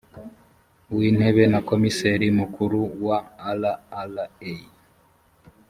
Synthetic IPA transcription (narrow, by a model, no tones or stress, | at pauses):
win̥eβe̞nako̞miseɾimukʰuɾuwaːlaːlae